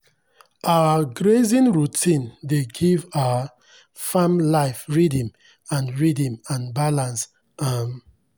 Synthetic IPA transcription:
ʔawəɡɹezĩnɹutĩndeɡivaa | fãmlaɪfɹidĩm | ãnɹidĩmãnbalãns | am

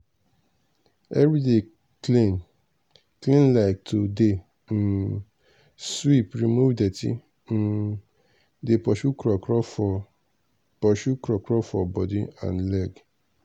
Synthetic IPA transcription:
ɛɹide | klĩn | klĩnlaɪk̚tʰode | n̩ | swipɹimuvdetḭ | n̩ | depɔʃukɾɔkɔ | pɔʃukɾɔkɾɔfɔbɔdiã̰nlɛɡ

